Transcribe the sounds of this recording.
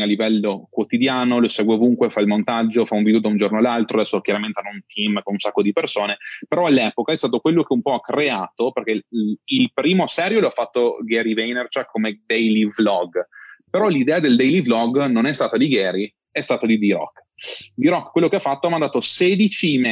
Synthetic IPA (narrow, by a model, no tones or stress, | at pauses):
alːivɛlːokwot̪id̪jaːnoloseːɡweovuŋkwefailmont̪ad͡ʒːofauɱvid̪eod̪aund͡ʒornoalːalt̪ɾoad̪ɛsːokjaɾament̪eanount̪ʰimkonunsakːod̪ipersoːnepeɾɔalːɛːpokaɛst̪aːt̪okwelːokeumpɔakreaːt̪operk̟eilpɾiːmosɛɾjoloafːat̪ːoɡɛɾivɛjnert͡ʃɛkʰːomed̪ɛjlivlɔɡpeɾɔlid̪ɛːad̪eld̪ɛjliblɔɡnonɛst̪aːt̪ad̪iɡɛːɾi | ɛst̪aːt̪ad̪id̪iɾɔ̰kːd̪iɾɔkːkːwelːokeafːat̪ːoamand̪aːt̪oseːd̪it͡ʃime